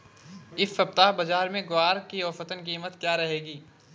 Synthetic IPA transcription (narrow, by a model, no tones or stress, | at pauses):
ɪfɐp̚t̪aːɦbɐzaːɾmẽɡʊaːɾkiɔːfət̪ənkiːmət̪kjaːɾɐɦeːɡiː